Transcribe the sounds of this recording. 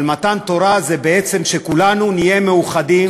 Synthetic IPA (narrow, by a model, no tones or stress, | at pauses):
lmat̪ant̪o̞ɾazebeet͡se̞mʃekulanunije̞meuχadim